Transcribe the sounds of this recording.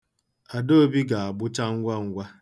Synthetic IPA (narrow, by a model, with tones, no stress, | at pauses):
a˨do˦bi˦ɡa˨a˨ɡ͡bʊ˦t͡ʃa˦ŋ̩˦ɡʷa˦ŋ̩˦ɡʷa˦